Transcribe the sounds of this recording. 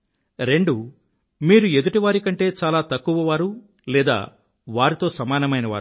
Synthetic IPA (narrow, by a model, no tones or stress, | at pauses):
ɾe̞ɳɖu | miːɾue̞d̪uʈiʋaːɾikɐɳʈe̞ːt͡ʃaːlaːt̪ɐkːuʋɐʋaːɾu | lɛːd̪a̰ː | ʋaːɾit̪o̞ːsɐmaːnɐmɐjnɐʋa̰ːɾu